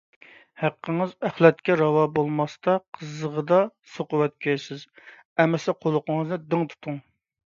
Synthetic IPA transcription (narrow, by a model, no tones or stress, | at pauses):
hæqqːəŋɨzæχlɛt̪kʲɛɾɑwɑbolˠmɑst̪ɑqʰəzəʁəd̪ɑsoqʊwɛt̪̚kʲʰøsɪz | ɛmɛsɪqʰolˠʊqəŋəznɨd̪ɪŋt̪ʰu̥t̪ʰuŋ